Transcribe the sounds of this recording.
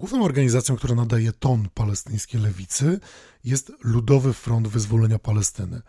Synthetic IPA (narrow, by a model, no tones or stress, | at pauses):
ɡwuvnɛ̃mɔɾɡaɲizat̪sʲjɔ̃kt̪uɾanad̪ajɛt̪ɔnpalɛst̪ɘj̃skʲejlɛvʲit̪sɘ | jɛst̪lud̪ɔvɘfɾɔnd̪vɘzvɔlɛɲapalɛst̪ɘnɘ̰